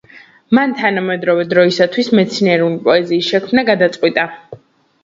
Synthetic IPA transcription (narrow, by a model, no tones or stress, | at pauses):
mant̪ʰanamɛd̪ɾɔvɛd̪ɾɔisat̪ʰwismɛt̪sʰniɛɾulipʼɔɛziːsʃɛkʰmnaɡad̪at̪sʼqʼwit̪ʼa